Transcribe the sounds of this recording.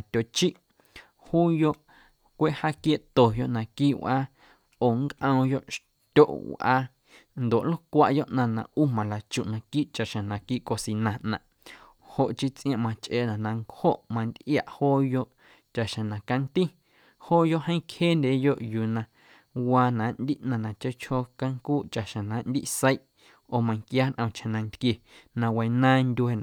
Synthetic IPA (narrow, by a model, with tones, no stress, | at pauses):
a˨t̪ʲo˨t͡ʃi˦ʔ | huː˦jo˦ʔ | kʷe˦ʔha˦kje˧ʔt̪o˨jo˧ʔnã˧˨kiː˦wʔaː˦ | oː˨ŋkʔə̃˧jo˧˦ʔʃ | t̪ʲo˦˨ʔwʔa̰˧ | nd̪o˨ʔlo˦kʷa˧ʔjo˦ʔnã˧nã̰˨ʔu˦mã˨la˨t͡ʃu˨ʔnã˧kiː˦ʔt͡ʃa˨ʔʃẽ˨nã˨kiː˦ʔko˧si˧nã˨ʔnã˨ʔ | ho˨ʔt͡ʃi˦t͡sʔj̃ã˧ʔmã˧t͡ʃʔe˧˨nã˨nã˧ŋkho˦ʔmã˧nd̪ʔja̰˨ʔhoː˦jo˧˦ʔ | t͡ʃa˨ʔʃã˨nã˨ka˧nt̪i˦ | hoː˦jo˦ʔhə̃˦ĩ˦kheː˦nd̪ʲeː˨˦jo˦˧ʔjuː˨nã˧ | waː˧nã˨nd̪i˦ʔnã˧˨nã˨t͡ʃe˦t͡ʃho˧ka˦ŋkuː˦ʔt͡ʃa˨ʔʃã˨nã˨˦nd̪ḭ˦ʔsə˦i˦ʔ | oː˧˨mã˧ŋkjaː˦nʔə̃˧t͡ʃhã˨nã˧nt̪kje˨nã˧wa˧jnãː˦ndʲe˧nã˨